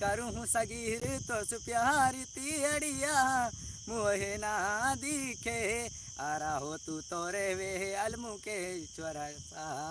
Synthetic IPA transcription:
kɐɾuɦũsɐɡiːɦiɾt̪osupjaɦaɾit̪iɐɽijaɦã | muoɦenaːɦad̪ikʰeːɦe | aːɾaːɦot̪ut̪oːɾeʋeɦeɐlmũket͡ʃʰɐɾa | sa

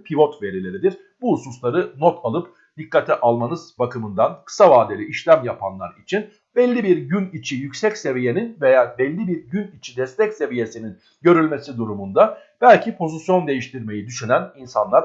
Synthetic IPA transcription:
pʰivo̞t̪ve̞ɾilʲe̞ɾid̪iɾ | buːsuslˠaɾɯnot̪ʰalˠɯp | d̪̥ikːat̪ʰɛʔalˠmanɯz̥bakʰɯmɯnd̪ankʰɯ̥savaːd̪elʲiʔiʃlʲæmjapʰanlˠa̰ɾit͡ʃʰin | bɛlʲːibiɾɟynit͡ʃʰijycsɛcse̞vije̞ninve̞jaːbɛlʲːibiɾɟynit͡ʃʰid̪ɛst̪ʰɛcse̞vije̞sinin | ɟø̞ɾylʲmesid̪uɾumund̪a | b̥ælʲcʰipʰo̞zisjo̞nd̪e̞jiʃt̪ʰiɾme̞jid̪yʃynæninsanlˠaɾ

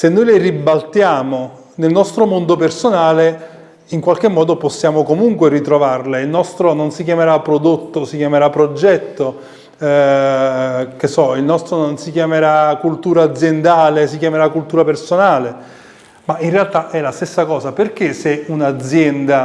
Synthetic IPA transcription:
senːojleribalt̪jaːmo | nelnɔst̪ɾomond̪opersonaːle | iŋkwalk̟emːɔːd̪oposːjaːmokomuŋkwerit̪ɾovarleilnɔst̪ɾononsik̬jameɾapːɾod̪ot̪ːosikjameɾapːɾod͡ʒɛt̪ːo | k̟esɔilnɔst̪ɾononsikjameɾakult̪uːɾaːd̪zːjend̪aːles̬ikjameɾakult̪uːɾapersonaːle | maʔinrealt̪aʔɛlast̪esːakɔːsaperk̟eseunad̪zjɛnd̪a

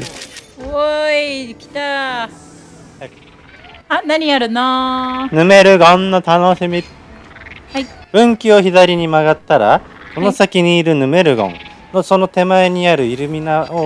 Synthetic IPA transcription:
oikʲi̥t̪a | anaɲ̟iaɾɯ̟nanɯ̟me̞ɾɯ̟ɡõnːot̪ano̞ɕimʲi | aib̥ɯ̟̃ŋkʲio̞çid̪aɾʲiɲ̟imaɡat̪ːaɾa | ko̞no̞sakʲiɲ̟iːɾɯ̟nɯ̟me̞ɾɯ̟ɡõ̞̰ŋ | no̞so̞no̞t̪e̞maeɲ̟iaɾɯ̟iɾɯ̟mʲinao

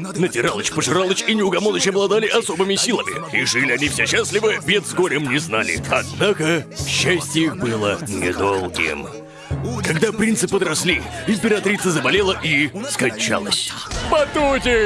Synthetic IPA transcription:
nətʲɪɾalˠət͡ɕpəʐɨɾalˠət͡ɕinʲɪʊɡɐmonət͡ɕɐblˠɐd̪alʲɪʔɐso̞bɨmʲɪsʲilˠəmʲɪ̰ɾɪʂɨlʲɪɐnʲifsʲeɕːasʲlʲɪvɨbʲed̪zɡoɾʲɪmnʲɪznalʲɪ̰ɐ̰d̪nakəɕːæsʲtʲɪjixbɨlˠənʲɪd̪olˠɡʲɪ̰m | kɐɡd̪apɾʲint̪sɨpəd̪ɾɐsʲlʲiɪmpʲɪɾɐt̪ɾʲit̪səzəbɐlʲe̞lˠəʔiskɐnʲt͡ɕa̰lˠə̰sʲpɐt̪utʲɪ

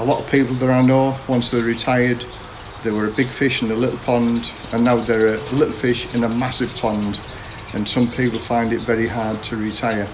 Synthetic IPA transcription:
əlɔʔəv̥pʰiˑpl̩ˠðəaɪ̃noːwʌ̃nsðəɹɪtʰaɪəd̪ | ðəwəɹəbɪɡ̥fɪʃɪ̃nəlɪʔl̩ˠpʰɒ̃ndə̃nːaʊðəɹəlɪʔl̩ˠfɪʃɪ̃nəmasɪv̥pʰɒ̃nd | ə̃nsʌ̃mpʰiˑpəl̩ˠfãɪ̃ndɪtvɛɹiɦaɹd̚tʰəɹɪtʰaɪə˞

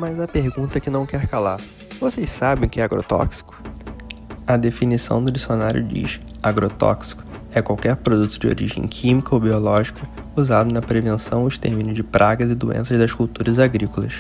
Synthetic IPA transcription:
mɐzɐpeɾɡũnt̪ɐkɪnɐ̃w̃kɛɾkalaɾ | vosejssabẽkɪɛaɡɾo̰t̪ɔ̰ksi̥kʊ̥ | ɐd̪efinisɐ̰̃w̃d̪ʊd͡ʒisjonaɾjʊ̰d͡ʒḭʃ | aɡɾot̪ɔ̰ksi̥kʊ̥ | ɛkwawkɛɾpɾod̪ut̪ʊd͡ʒɪo̰ɾḭʒḛ̃j̃kʰĩmikɐobiolɔʒikʰɐuzad̪ʊnɐpɾevẽnsɐ̰̃w̃ʊʃt̪ḛɾmĩnʊzd͡ʒɪpɾʔaɡɐzɪd̪uḛ̃sɐʒd̪ɐsʃkuwt̪uɾɐzaɡɾikolɐs

